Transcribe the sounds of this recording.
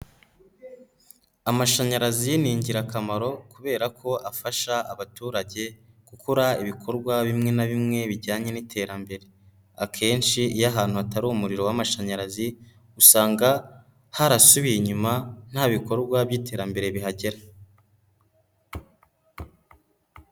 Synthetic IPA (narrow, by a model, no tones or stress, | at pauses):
amaʃaɲaɾaziniːɲɟiɾakamaɾo̞kuβe̞ːɾakʰo̞ʔafaʃaaβatuːɾaɟe̞ | kukʰuɾaiβikʰo̞ɾɡwaβimŋe̞naβimŋe̞βiɾɟaːɲe̞nitʰe̞ːɾambe̞ɾe̞ | akʰe̞ːnʃijaɦaːn̥huataɾuːmuɾiɾo̞wamaʃaɲaɾazi | usaːŋɡa | haɾasuβijiɲuman̥haːβiko̞ɾɡwabɟiːtʰe̞ːɾambe̞ɾe̞βiɦaɟe̞ɾa